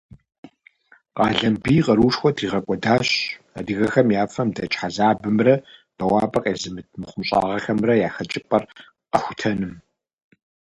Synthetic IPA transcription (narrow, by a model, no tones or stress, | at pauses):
qɑːɮɐmbiːqɐɾuːʂxʷɔtʰriːʁɐkʷʼɔdaːɕ | ɐdiɣɐxɐmjaːfɐmdɐt͡ʃʼħazaːbɨmrɐb̥ɐwaːbɐqʼeːzɨmɨt̚ʰmɨχʷʊmɕʼa̰ːʁɐxɐmrɐjaːxɐt͡ʃʼɪpʼɐr | qɐxʷʊ̥tʰɐnɨm